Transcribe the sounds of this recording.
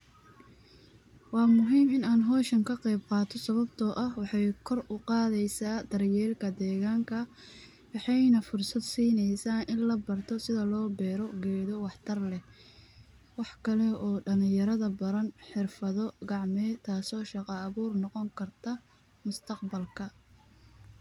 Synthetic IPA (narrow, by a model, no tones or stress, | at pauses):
wɑːmʊɦiːmɪnaːnɦɔːʃɐŋkʰɐqɛjb̚qɑːt̪ʰɔsɐβɐbt̪ʰɔʔɐhwɑħɑjkʰɔrʔʊqɑːðɛjsaːd̪̥ɐrjɛːlkʰɐd̪ɛːɣaːŋkʰɐ | wɑħɑjnɐfʊrsɐd̪siːnɛjsaːnʔɪnlɐbɐrt̪ʰɔsɪðɐlɔːbɛːɾɔɡɛːðɔwɑħt̪ʰɐrlɛ | wɑħkʰɐlɛɔːɖɐlɪ̃jɐɾɐðɐbɐɾɐnħɪrfɐðɔɡɑʕmɛt̪ʰaːsɔːʃɑqɑːβuːrnɔqɔŋkʰɐrt̪ʰɐ | mʊst̪ʰɐqbɐlkʰɐ